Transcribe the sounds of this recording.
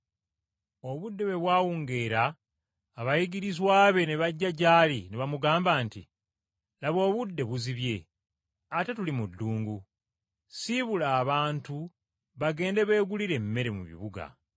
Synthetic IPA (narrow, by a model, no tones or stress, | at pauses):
o̞βudːe̞βe̞βwaːwuːŋɡe̞ːɾaː | βajiɡiɾizwaːβe̞neβaɟːaɟaːlineβamuɡaːmbaːntḭ | laβo̞ːβudːe̞βuziβje̞ | atetulimudːuːŋɡu | siβulaːβaːntu | βaɡe̞ːnde̞βe̞ːɡuliɾe̞mːe̞ɾe̞mṵβḭβuɡa̰